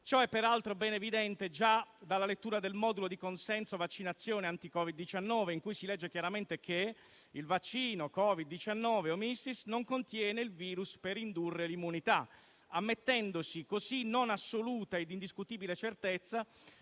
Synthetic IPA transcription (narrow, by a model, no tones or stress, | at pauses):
t͡ʃɔɛpːeɾalt̪ɾobɛːnevid̪ɛnt̪ed͡ʒad̪alːalet̪ːuːɾad̪elmɔːd̪ulod̪ikonsɛnsovat͡ʃːinat̪sːjɔːneant̪ikɔːvid̪ːit͡ʃanːɔːveiŋkujsilɛd͡ʒːekjaɾament̪ekʰe | ilvat͡ʃːiːnokɔvid̪ːit͡ʃanːɔːveomisːisnoŋkont̪jɛːneilviːɾuspeɾind̪urːelimːunit̪a | amːet̪ːɛnd̪osikosinonasːoluːt̪aed̪ind̪iskut̪iːbilet͡ʃert̪et̪sːa